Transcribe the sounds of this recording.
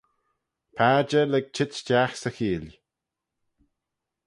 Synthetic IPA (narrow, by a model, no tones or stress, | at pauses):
pʰaːd͡ʒəlɛɡ̚t͡ʃʰɪt͡ʃd͡ʒaxsəxiːl